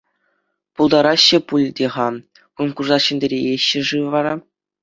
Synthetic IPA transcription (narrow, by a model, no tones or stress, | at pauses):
pulˠd̪ɑɾɑɕːɘ̆pulʲdʲeʁɑ | kunkuʐɑɕɘ̆nʲdʲɘ̆ɾʲeeɕːɘ̆ʐɯʋɑɾɑ